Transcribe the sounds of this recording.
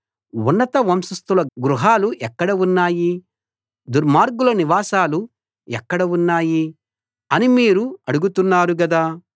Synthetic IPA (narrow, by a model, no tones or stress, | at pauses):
unːɐt̪ɐʋɐmsɐst̪ulɐɡɾuɦaːluʔɛkːɐɽɐunːaːji | d̪uɾmaːɾɡulɐniʋaːsaːlu | ɛkːɐɽɐunːaːji | ɐnimiːɾuɐɽuɡut̪unːaːɾuɡɐd̪aː